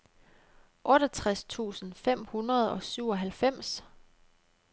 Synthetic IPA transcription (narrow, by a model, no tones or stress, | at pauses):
ʔɔ̽ɾɒt͡sʰʁast͡sʰṵːsn̩fem̰hunʁɐð̞̩ˠɒ̽syʊ̰ɒ̽ɦælfem̰s